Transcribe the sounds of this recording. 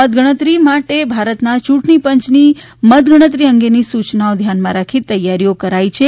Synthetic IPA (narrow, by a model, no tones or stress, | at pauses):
əd̪̚ɡəɽ̃ət̪ɾimaʈebʱaɾət̪nat͡ʃuʈnipəɲt͡ʃni | məd̪̚ɡəɽ̃ət̪̬ɾiəŋɡenisut͡ʃnaod̪ʱjanmãɾakʰit̪əjːaɾijokəɾait͡ʃʰe